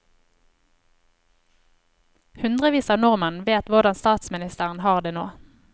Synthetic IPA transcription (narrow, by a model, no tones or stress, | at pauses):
hʉnd̪ʁəʋiːsɑːnʊʁmənʋeːt̪ʋʊʁd̪ɑnst̪ɑːt̪smɪnɪst̪əʁən̩hɑːʁd̪eːno̰ː